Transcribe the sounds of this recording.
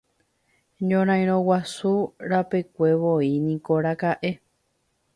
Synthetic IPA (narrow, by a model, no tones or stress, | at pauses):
ɲõɾ̃ãj̃ɾ̃õwasuɾapekʷe̞ʋoinĩko̞ɾakaʔe̞